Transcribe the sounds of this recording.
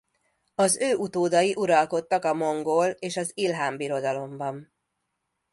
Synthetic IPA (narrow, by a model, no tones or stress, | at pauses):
ɒzøːʔut̪oːd̪ɒjiʔuɾɒlko̞t̪ːɒkɒmo̞ŋɡoːleːʃɒzilɦaːmbiɾo̞d̪ɒlo̞mbɒm